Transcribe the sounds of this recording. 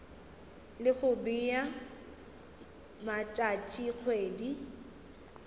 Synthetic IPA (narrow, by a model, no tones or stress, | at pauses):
lɪɣʊbija | mat͡ʃʼat͡ʃʼiq͡χʰweːdi